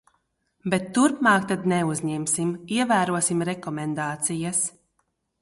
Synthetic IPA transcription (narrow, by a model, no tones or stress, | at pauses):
bɛt̪ːuɾpmaːkt̪ad̪nɛuzɲɛmsimiɛvæːɾuɔsimɾɛkɔmɛnd̪aːt̪sijɐs